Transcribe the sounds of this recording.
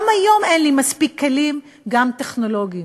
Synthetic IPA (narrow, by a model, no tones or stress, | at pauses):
majo̞menlimaspikʰːelim | ɡamt̪eχno̞lo̞ɡii